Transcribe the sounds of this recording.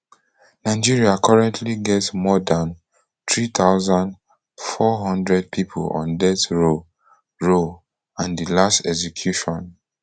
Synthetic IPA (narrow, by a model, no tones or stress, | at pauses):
naɪd͡ʒiɹiakʰɔɹɛ̃ntʰliɡɛtsmɔdãn | t̪ɹit̪ʰaʊzãnd | fɔɦɔ̃ndɹɛd̚pʰipʰṵlɔ̰̃ndɛtɹo | ɹo | ãndilastɛkzɛkʰjuʃɔ̃n